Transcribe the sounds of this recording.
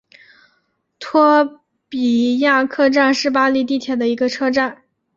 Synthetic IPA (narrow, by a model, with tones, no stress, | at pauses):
t̪ʰwɔ˥ | pi˨˩ja˥˧kʰɤ˥˧ʈ͡ʂa˥˧nʂɻ̩˥˩p̬a˥li˥˧˥t̪i˥˩t̪ʰjɛ˨˩d̪ə˧i˧˥ɡə˧ʈ͡ʂʰɤ˥ʈ͡ʂa˥˩n